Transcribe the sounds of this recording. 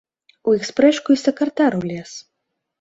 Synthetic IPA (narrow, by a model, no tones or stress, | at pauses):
uixspɾɛʂkuisʲɐkɐrt̪aɾulʲɛs